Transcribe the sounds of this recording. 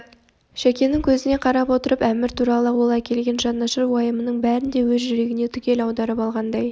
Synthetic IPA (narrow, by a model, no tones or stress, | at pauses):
ʃækʲe̞nɪŋkʲʰɵzɪne̞qʰɑɾɑpwo̞t̪əɾəpæmɪɾt̪ʰuɾɑlˠəwo̞lˠæjkʲʰe̞lɡʲe̞nʒɑnːɑʃəɾwojəmənəɴbæɾɪnd̪e̞wɵzʒʏɾe̞ɡʲɪne̞t̪ʰʏkʲe̞lɑwd̪ɑɾəpɑlˠʁɑnd̪ɑj